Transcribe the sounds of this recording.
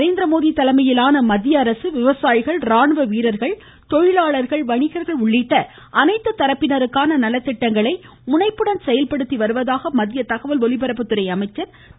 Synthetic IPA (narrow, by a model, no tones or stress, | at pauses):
ɾeːnd̪ɾɐmoːðit̪ɐlɐmɐjɪlaːnɐmɐðɪjɐːɾɐsɯʋɪʋɐsaːjɪɣɐɭɾaːɳɯʋɐʋiːɾɐɾɣɐɭ | t̪ɔɻɪlaːɭɐɾɣɐɭʋɐɳɪɣɐɾɣɐɭʊɭːɪʈːɐ | ʔɐnɐɪt̪ːɯt̪ɐɾɐpːɪnɐɾɯkːaːnɐnɐlːɐt̪ːɪʈːɐŋɡɐɭɐɪ | mʊnɐɪpːɯɽɐnsɛjɐlpɐɽɯt̪ːiʋɐɾɯʋɐðaːɣɐmɐðɪjɐt̪ɐɣɐʋɐlʋɔlɪpɐɾɐpːɯt̪ːɯɾɐɪɐmɐɪt͡ʃːɐɾ